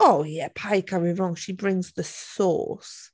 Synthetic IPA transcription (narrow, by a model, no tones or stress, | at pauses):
oʊjɛpʰaɪkʰʌɹiɹɔ̃ŋʃibɹɪ̃ŋzðəsɔ̰ˑs